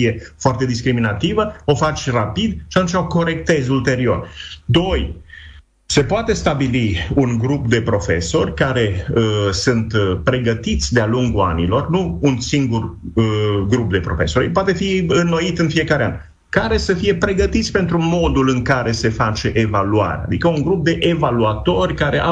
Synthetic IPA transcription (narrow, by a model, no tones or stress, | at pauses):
ije̞foart̪e̞d̪iskɾiminat̪ivəo̞fat͡ʃʲrapid̪ʃiat̪umt͡ʃo̞ko̞ɾe̞k̚t̪e̞zult̪e̞ɾio̞rd̪o̞j | se̞poat̪e̞st̪abiliunɡɾupd̪e̞pɾo̞fe̞̰so̞rʲkaɾe̞əsunt̪pɾe̞ɡət̪it̪sʲd̪ealuŋɡua̰nḭlo̞rnuːnsiŋɡur | əɡɾup̚d̪e̞pɾo̞̰fe̞̰soɾʲp̬oat̪e̞fiɨnːo̞it̪ɨnfije̞kaɾea̰nʲ | kaɾe̞səfije̞pɾe̞ɡət̪it̪sʲpe̞nt̪ɾumo̞d̪ulɨŋkaɾe̞se̞fat͡ʃe̞ʔevalua̰ɾḛa̰d̪ikəuŋɡɾup̚d̪e̞ʔevaluat̪o̞rʲkaɾeʔa